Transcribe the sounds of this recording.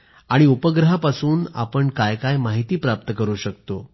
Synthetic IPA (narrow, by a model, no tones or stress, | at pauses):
aɽ̃iupəɡɾəɦapasuːna̰pəɳkajkajmaɦit̪iːpɾap̚t̪əkəɾuːɕək̚t̪o